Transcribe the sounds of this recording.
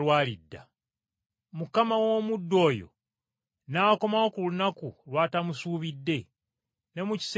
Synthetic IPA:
waːlidːa̰ | mukamawo̞ːmudːo̞ːjo̞̰ | nako̞mawo̞kulunakulwaːtamusuːβidːe̞ | ne̞muci̥s

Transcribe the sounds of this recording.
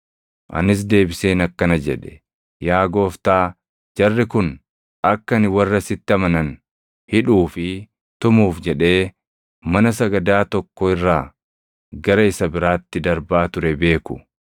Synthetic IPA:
ʔɐ̰nɪs̬d̪e̞ːbɪse̞ːnɐkːɐnɐd͡ʒɛᶑɛ̥ | jaːɡo̞ːft̪aː | d͡ʒɐrːɪkʊn | ɐkːɐnɪwɐrːɐsɪt̪ːɪɐmɐnɐn | hɪᶑuːfɪ | t̪ʊmuːfd͡ʒɛᶑe̞ː | mɐnɐsɐɡɐd̪aːt̪ɔkːɔɪrːaː | ɡɐɾɐɪsɐbɪɾaːt̪ːɪd̪ɐɾbaːt̪ʊɾɛbe̞ːkʊ̥

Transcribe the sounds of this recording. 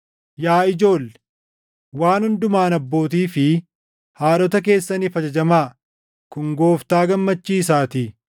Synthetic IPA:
jaːɪd͡ʒo̞ːlːɛ | waːnhʊnd̪ʊmaːnɐbːo̞ːt̪iːfɪ | haːᶑɔt̪ɐk̬e̞ːsːɐnɪfɐd͡ʒɐd͡ʒɐmaː | kʊŋɡo̞ːft̪aːɡɐmːɐt͡ʃːiːs̬aːt̪i

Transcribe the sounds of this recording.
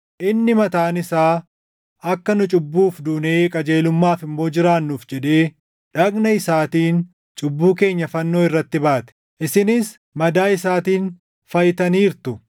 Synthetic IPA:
ʔɪnːɪmɐt̪aːnɪsaː | ɐkːɐnʊt͡ʃʼʊbːuːfd̪uːneːkʼɐd͡ʒe̞ːlʊmːaːfɪmːo̞ːd͡ʒɪɾaːnːuːfd͡ʒɛᶑe̞ː | ᶑɐɡnɐɪsaːt̪iːn | t͡ʃʼʊbːuːke̞ːɲːɐfɐnːo̞ːɪrːɐt̪ːɪbaːt̪ɛ̥ | ʔɪsɪnɪs | mɐd̪aːɪsaːt̪iːn | fɐjɪt̪ɐniːɾt̪ʊ

